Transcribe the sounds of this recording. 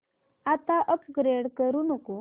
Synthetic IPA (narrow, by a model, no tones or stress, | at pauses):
at̪aʔəpɡɾeɽkəɾuːnəko